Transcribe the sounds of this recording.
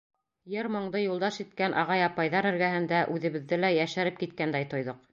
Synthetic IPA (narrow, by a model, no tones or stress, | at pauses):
jɘɾmŏɴd̪ɤjulˠd̪ɑʃit̪kænʔɑʁɑjɑpɑjðɑɾɘ̆ɾɡæɦɘ̆nd̪æʔʉðɘ̆βɘ̆ðːɘlæjæʃæɾɘp̚kit̪̚kænd̪æjt̪ŏjðɤq̚